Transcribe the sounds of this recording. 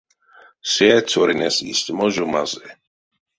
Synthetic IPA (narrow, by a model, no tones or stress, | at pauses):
siɛt͡sʰɔɾinɛsḭst̪ʲmɔʒuma̰zɛ